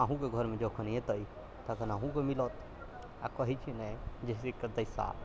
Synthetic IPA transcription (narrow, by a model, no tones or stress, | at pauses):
aɦũkeɡʱəɾmed͡ʒɔkʰəniẽt̪əi | t̪əkənaɦũkemilɔt̪ | a̰kəɦit͡ʃʰinɛd͡ʒesikəd̪əjsa̰